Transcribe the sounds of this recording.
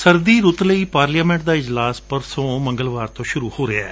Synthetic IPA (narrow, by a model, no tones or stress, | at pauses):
səɾd̪iːɾʊt̪ləiːpaːɾlijaːmɛ̃ːɳʈ̚d̪aːɪd͡ʒlaːspəɾsõːmə̃ŋɡəlʋaːɾt̪õːʃʊɾuːhoːɾeaː